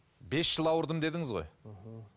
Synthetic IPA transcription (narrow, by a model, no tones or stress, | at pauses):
be̞sːəlˠɑwəɾd̪əmd̪e̞d̪ɪŋɪzʁo̞̰j